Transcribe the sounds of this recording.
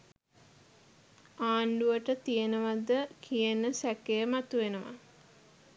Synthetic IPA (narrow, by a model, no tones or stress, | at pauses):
aːɳɖuʋəʈət̪ijənəʋad̪əkʰijənəsækejəmat̪uʋenəʋa̰